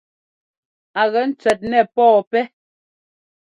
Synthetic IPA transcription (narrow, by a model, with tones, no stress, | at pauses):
a˨ɣɛ˨˦n̩˦t͡sɥɛ˨t̚nɛ˨pɔː˦˨pɛ˦